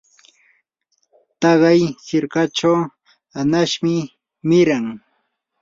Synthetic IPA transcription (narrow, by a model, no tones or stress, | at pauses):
t̪ɑɢɑjsɪɾkaʈ͡ʂaw | anaʃmɪ | mɪɾaŋ